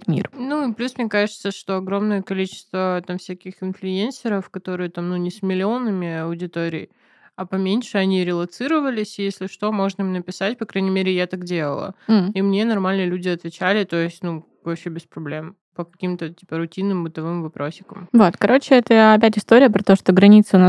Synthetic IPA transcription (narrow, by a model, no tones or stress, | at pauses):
t̪mʲḭrnuɪplʲusmnʲekaʐɨt̪səʂt̪o̞ɐɡɾo̞mnəjəkɐlʲit͡ɕɪ̥st̪vət̪amfsʲækʲɪxɪnflʲɪensʲɪɾəfkɐt̪o̞ɾɨjət̪amnunʲɪsmʲɪlʲɪo̞nɨmʲɪɐʊdʲɪt̪oɾʲɪ̰j | ɐpɐmʲenʲʂɨɐnʲiɾʲɪlˠɐt̪sɨɾəvəlʲɪsʲjesʲlʲɪʂt̪o̞mo̞ʐnəimnəpʲɪsatʲpɐkɾajnʲɪmʲeɾʲɪjat̪akdʲe̞lˠə̰lˠə̰imnʲe̞nɐrmalʲnəlʲudʲɪɐt̪vʲɪt͡ɕælʲɪt̪o̞ɪsʲtʲnu | vɐpɕebʲɪspɾɐblʲe̞m | pəkɐkʲimt̪ətʲi̥pəɾʊtʲinːɨmbɨt̪ɐvɨmvɐpɾʔo̞sʲːɪ̥kəmvo̞t̪kɐɾo̞t͡ɕɪɛt̪əɐpʲæt̬ʲɪst̪oɾʲɪjəpɾɐt̪o̞ʂt̪oɡɾɐnʲit̪sɨʊna